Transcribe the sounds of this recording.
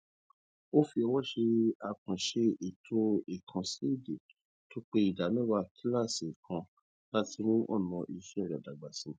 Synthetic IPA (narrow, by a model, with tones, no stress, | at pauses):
o˦fi˧ɔ˧wɔ˦ʃe˧a˧kã˨ʃe˧i˨tʰo˧i˨kʰã˨˧si˦i˦˨de˨ | to˦k͡pe˦i˦˨da˨˦nĩ˦wa˧kʰi˦la˦˨si˨kʰã˧ | la˦ti˧˦ɾ̃ũ˦ʔɔ̰˦˨nɔ̃˧ʔi˧ʃe˦ɛ˦˨ɾa˨da˨ɡ͡ba˨sĩ˨˧